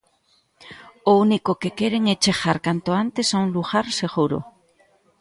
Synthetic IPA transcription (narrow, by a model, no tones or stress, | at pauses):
ounikokekeɾeŋet͡ʃexaɾkant̪oant̪esownluxaɾseɣuɾo̰